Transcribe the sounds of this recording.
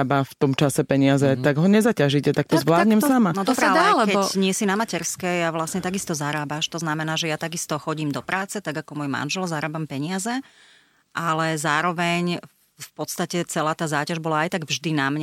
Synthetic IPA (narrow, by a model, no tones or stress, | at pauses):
baft̪ɔmt͡ʃasɛpɛɲɪazɛt̪aɡɦɔɲɛzacaʒicɛt̪ak̚t̪ɔzʋlaːd̪ɲɲɛmsamanɔd̪ɔbɾɛalɛkɛɲɪɛsinamacɛɾskɛjaʋlasɲɛt̪aɡist̪ɔzaɾaːbaʃt̪ɔznamɛnaːʒɛjat̪aɡist̪ɔxɔɟiːmd̪ɔpɾaːt͡sɛt̪aɡakɔmɔjma̰nʒɛlzaɾaːbampɛɲɪazɛ | ʔalɛzaːɾɔʋɛɲ | fpɔt̪st̪acɛt͡sɛlaːt̪aːzaːcaʒbɔlaajt̪aɡvʒd̪inamɲɛ